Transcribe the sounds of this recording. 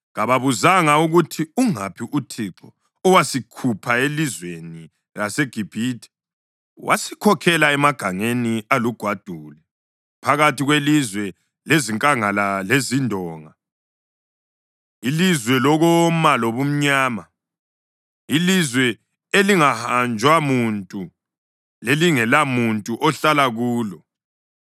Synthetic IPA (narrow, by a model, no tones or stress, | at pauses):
ɣaβaβuzaŋauɣutʰiuŋa̰pʰiʔutʰiǁɔ̰ː | wasikʰupʰaelizweni | laseɡ̥ʱib̥ʱiːtʰʼɛ̥ | wʔa̰sikʰɔkʰɛlaɛmaɡ̥ʱaŋenialuɡ̥ʱwad̥ʱuːlɛ | pʰaɣatiɣwelizwɛ | leziŋkʼaŋalalezindʱɔːŋa | ilizwɛlɔɣɔmaloβum̩ɲaːma | ilizwɛ | eliŋahand͡ʒʱwamuntʼu | leliŋɛlamuntʼuʔɔɬalaɣuːlɔ